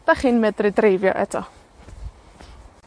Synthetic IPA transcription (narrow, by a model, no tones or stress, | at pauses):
d̥aχiːnmɛdrɪdrejvjɔ̰ʔɛtʰɔ